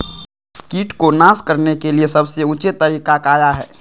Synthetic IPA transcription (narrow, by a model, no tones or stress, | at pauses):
kiːʈkonaːskəɾnekeliesɐbseʊt͡ʃɪt̪t̪ːəɾiːkakaːjaɦɛː